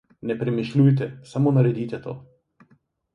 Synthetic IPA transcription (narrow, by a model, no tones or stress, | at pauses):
nɛpɾɛmiʃlʲujt̪̬ɛsamɔnaɾɛd̪it̪ʲɛt̪ɔ̰